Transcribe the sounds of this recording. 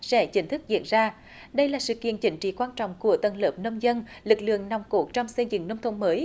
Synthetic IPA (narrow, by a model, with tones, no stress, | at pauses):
sɛ̰˧˥t͡ɕï˨˦ŋ̟t̪ʰɨ˦˥k̚zḭ˧˨ənzaː˧ | ɗə˧jlaː˨˩sɨ̰˧˨kḭ˧˨ənt͡ɕï˨˦ŋ̟t͡ɕḭ˧˨kwaː˧nt͡ɕɔ̰˧˨wŋ͡mku˧˩ət̪ə˨˩nləː˨˩p̚nə˧wŋ͡mzə˧nlɨ˨˩k̚lɨ̰˧˨əŋna˨˩wŋ͡mko˧˩t͡ɕɔ˧wŋ͡msɛ˧zɨ̰˧˨ŋnːə˧wŋ͡mt̪ʰə˧wŋ͡mməː˨˦j